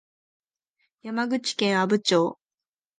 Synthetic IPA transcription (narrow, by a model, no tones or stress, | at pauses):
jamaɡɯ̟t͡ɕi̥kẽɰ̃abɯ̟t͡ɕo̞ː